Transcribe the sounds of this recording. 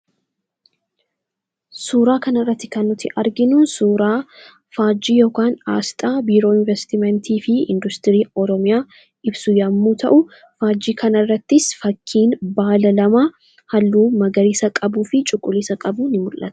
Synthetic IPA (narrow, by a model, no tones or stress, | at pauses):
suːɾaːkɐnɐrːɐt̪ːɪ̥kɐnːʊt̪ɪʔɐɾɡɪnuːnsuːɾaː | faːd͡ʒiːjoːkaːna̰ːst̪ʼaːbiːɾo̞ːɪnvɛst̪ɪmɛnt̪iːfɪɪ̰nd̪ʊst̪ɪɾiːɔɾɔmɪjaː | ɪbsʊjɐmːuːt̪ʰɐ̰ʔʊ | faːd͡ʒːiːkʰɐnɐrːɐt̪ːɪsfɐkʰːiːnbaːlɐlɐma | hɐlːuːmɐɡɐɾiːsɐkʼɐbuːfɪt͡ʃʼʊkʼːʊliːsɐkʼɐbunɪmʊlʔɐ̰t̪ɐ̥